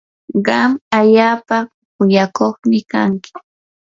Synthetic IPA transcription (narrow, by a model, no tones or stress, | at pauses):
ɢɑmaʎaːpa | kʊjakoχmɪkaŋkɪ̥